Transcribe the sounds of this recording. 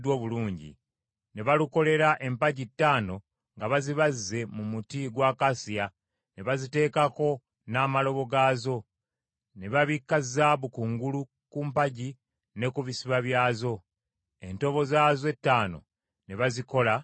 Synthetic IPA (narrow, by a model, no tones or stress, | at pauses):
dwo̞ːβuluːɲɟḭ | ne̞βaluko̞le̞ɾaʔe̞mpaɟitːaːno̞ | ŋɡaβaziβazːe̞mumutiɡwaːkasija | ne̞βazite̞ːkako̞ | naːmalo̞βo̞ɡaːzo̞ | ne̞βaβikːazaːβukuŋɡulu | kumpaɟi | ne̞kuβisiβaβjaːzo̞ | e̞nto̞βo̞zaːze̞tːaːno̞̰ | ne̞βaziko̞la